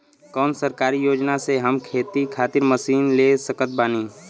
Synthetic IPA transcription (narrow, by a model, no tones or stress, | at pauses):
kɔːnsəɾkaːɾijoːd͡ʒnaseɦɐmkʰeːt̪ikʰaːt̪ɪɾməsiːnlesəkət̪̚baːniː